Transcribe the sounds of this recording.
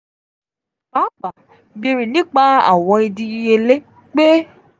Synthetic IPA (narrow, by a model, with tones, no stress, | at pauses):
ba˨˦ɡ͡ba˨ | bi˧ɾi˨nĩ˦k͡pa˦a̰˦˨w̃ɔ̃˧i˧di˧i˧e˧le˦ | k͡pe˦